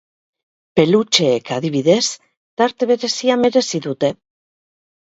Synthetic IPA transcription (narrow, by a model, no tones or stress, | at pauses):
pe̞lut͡ʃe̞ːkaðiβiðe̞s | t̪aɾt̪e̞βe̞ɾe̞siame̞ɾe̞siðut̪e̞